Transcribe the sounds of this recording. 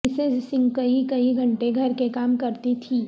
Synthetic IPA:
sed͡ʒsɪ̃ŋɡkɐikɐiɡʱɐ̃ɳʈeɡʱɐɾkekaːmkɐɾt̪it̪ʰiː

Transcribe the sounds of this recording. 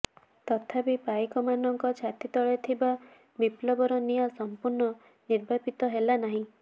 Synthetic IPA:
t̪ɔt̪ʰapipajkɔmanɔŋkɔt͡ʃʰat̪it̪ɔɭet̪ʰiba | biplɔbɔɾɔnijɔsɔmpuɾnɔ | niɾbʱapit̪ɔɦelanaɦĩ

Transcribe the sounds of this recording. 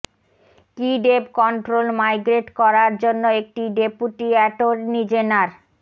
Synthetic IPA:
kiɖebkɔɳʈɾolmajɡɾeʈkɔɾaɾd͡ʑonːoek̚ʈiɖepuʈiɛʈoɾnid͡ʑenaɾ

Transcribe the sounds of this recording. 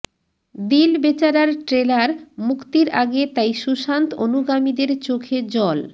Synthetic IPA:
d̪ilbet͡ɕaɾaɾʈɾelaɾmukt̪iɾaɡet̪ajʃuʃant̪onuɡamid̪eɾt͡ɕokʰed͡ʑɔl

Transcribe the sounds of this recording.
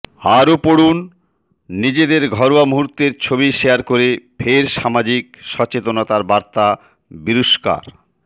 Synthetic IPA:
haɾopoɽunː | id͡ʑed̪eɾɡʱɔɾowamuɦuɾt̪ːeɾt͡ɕʰobiʃejaɾkoɾefʰeɾʃamad͡ʑik̚ʃɔt͡ɕet̪onot̪aɾbaɾt̪a | biɾoʃka̰ɾ

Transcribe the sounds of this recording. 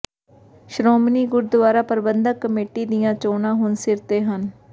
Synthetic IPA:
ʃɾoːmniːɡʊɾd̪ʊʋaːɾaːpəɾbənd̪əkːəmeːʈiːd̪ijãːt͡ʃoːnãːɦʊnsɪɾt̪eːɦən

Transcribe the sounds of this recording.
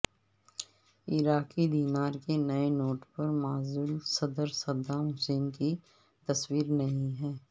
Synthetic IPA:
ɪɾaːkid̪iːnaːɾkenɐenoːʈpɐɾmaːzuːlsɐd̪əɾsɐd̪ʱaɦʊseːnki | t̪ɐswiːɾnɐɦĩɦɛː

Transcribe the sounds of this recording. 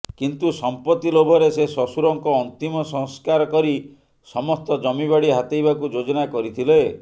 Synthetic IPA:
kint̪usɔmpɔt̪ːilobʱɔɾesesɔsuɾɔŋkɔːnt̪imɔsɔ̃ŋskaɾɔkɔɾi | sɔmɔst̪ɔd͡ʒɔmiβaɽiɦat̪ejbakud͡ʒod͡ʒɔnakɔɾit̪ʰile

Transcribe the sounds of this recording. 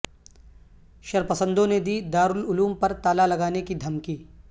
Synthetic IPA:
ʃɐɾpɐsə̃nd̪õned̪iːd̪aːɾʊlʊluːmpɐɾt̪aːlalɐɡaːnekid̪ʱɐmkiː

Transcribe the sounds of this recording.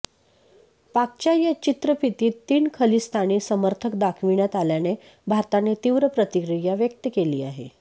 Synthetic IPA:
pak̚t͡ɕjajat͡ɕit̪ɾəpit̪iːt̪ːiːnkʰəliːst̪ʰaɽ̃iːsəməɾt̪ʰəkd̪akʰʋiɳjat̪aljane | bʱaɾt̪anet̪iʋɾəpɾət̪ikɾijaʋjək̚t̪əkeliːaɦḛ

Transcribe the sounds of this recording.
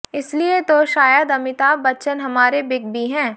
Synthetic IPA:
ɪsliet̪oʃaːjəd̪ɐmɪt̪aːbbɐt͡ʃənɦɐmaːɾebɪɡ̚bʱiɦɛ̃ː

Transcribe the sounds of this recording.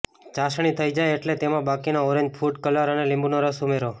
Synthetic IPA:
t͡ʃaʃɽ̃it̪ʰəjd͡ʒajeʈlet̪emãbakinoɔɾẽɲd͡ʒpʰuʈkəlaɾənelɪ̃mbunoɾəsumeɾo

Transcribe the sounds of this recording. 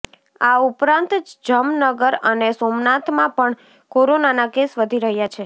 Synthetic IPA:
aupɾãnt̪d͡ʒəmnəɡəɾənesomnat̪ʰmãpəɳ | koɾonanakesʋəd̪ʱiɾəɦjat͡ʃʰe

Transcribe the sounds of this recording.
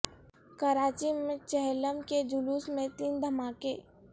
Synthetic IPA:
kəɾaːt͡ʃimẽt͡ʃɛɦləmked͡ʒʊluːsmẽt̪iːnd̪ʱɐmaːkḛː

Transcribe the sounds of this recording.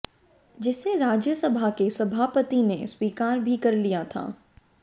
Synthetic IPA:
d͡ʒɪseɾaːd͡ʒjəsɐbʱakesɐbʱaːpət̪ineswiːkaːɾbʱikɐɾlijat̪ʰa̰ː

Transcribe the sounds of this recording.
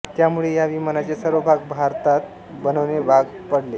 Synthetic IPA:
t̪jamuɭejaʋimənat͡sesəɾʋəbʱaɡbʱaɾt̪at̪̚ | bənəʋnebʱaɡ | pəɽle

